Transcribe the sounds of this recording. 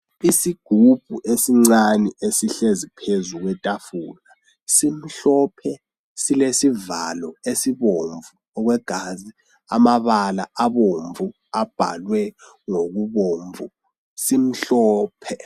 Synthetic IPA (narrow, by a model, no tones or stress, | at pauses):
isiɡ̥ʱub̥ʱṵʔesiŋ͡ǀanɛesiɬezipʰezuk̬wɛtʼafuːla | sim̩ɬɔpʰɛ | silesiva̰lɔesiβoɱvu | ɔk̬wɛɡ̥ʱaːzi | a̰maβalaaβoɱvu | ab̥ʱa̰lwɛ | ŋok̬uβoːɱvu | sim̩ɬɔːpʰɛ